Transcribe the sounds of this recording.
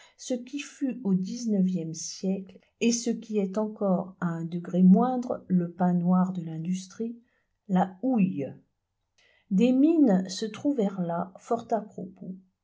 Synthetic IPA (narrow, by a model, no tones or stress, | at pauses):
səkʲifyod̪iznəvjɛmsjɛkl | esəkʲiɛt̪ɑ̃kɔʁaɛ̃d̪əɡʁemwɛ̃d̪ʁləpɛ̃nwaʁd̪əlɛ̃d̪yst̪χi | lauj | d̪eminsət̪χuvɛʁlafɔʁt̪apχɔpo